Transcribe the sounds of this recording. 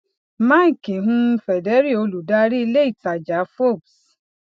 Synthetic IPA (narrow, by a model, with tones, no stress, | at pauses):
mã˦i˨ki˨ɦũ˧fɛ˨dɛ˨˦ɾi˦o˧lu˨da˦ɾi˦˧le˦i˦˨ta˨d͡ʒa˨˦fo˦˨bs